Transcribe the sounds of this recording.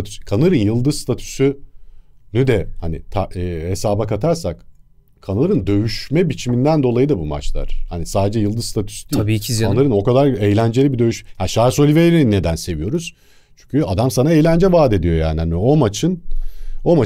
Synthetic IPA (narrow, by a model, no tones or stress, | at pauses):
t̪ʰy̥skʰanɯɾɯnjɯlˠd̪ɯzst̪ʰat̪ʰy̥sy | nyd̪ɛhanḭt̪ʰaːhesaːbakat̪ʰaɾsak | kʰanɯɯɾɯnd̪ø̞jyʃmɛbit͡ʃʰimind̪ænd̪olˠajɯd̪abuma̰t͡ʃlˠa̰ɾ̥hanisaːd̪ed͡ʒɛjɯlˠd̪ɯzst̪ʰat̪ʰy̥sy̥d̪iːbicʰizanɯɾɯno̞kad̪aɾejlʲænd͡ʒeibid̪ø̞jyʃmɛhaʃaso̞lʲivejɾininːed̪ænse̞vijo̞ɾuz̥ | t͡ʃʰy̥ɲcʰʲyad̪amsanaejlʲænd͡ʒɛvaːd̪e̞d̪ijo̞ja̰ːnihanio̞mat͡ʃʰɯno̞ma